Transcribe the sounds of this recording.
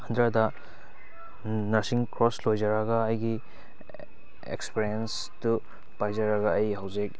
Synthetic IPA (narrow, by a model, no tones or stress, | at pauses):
hɐndɾɐdɐ | nɐsiŋkɾoslojd͡ʒaɾɐɡɐːjɡi | ḛkspeɾiens | tu | pajzɐɾɐɡaːjɦɐwzik̚